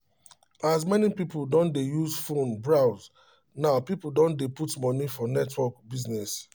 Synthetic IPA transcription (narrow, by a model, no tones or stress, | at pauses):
azmɛnipipoldɔ̃ndejuzfõnbɹaʊz | naʊpipldɔ̃ndeputmɔnifɔnɛtwɔkbiznɛs